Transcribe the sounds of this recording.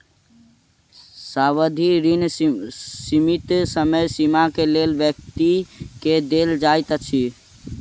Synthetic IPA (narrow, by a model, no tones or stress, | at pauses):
saβəd̪ʱiɾin | simit̪səməjsimakelelbjək̚t̪iked̪eld͡ʒajt̪ət͡ʃʰi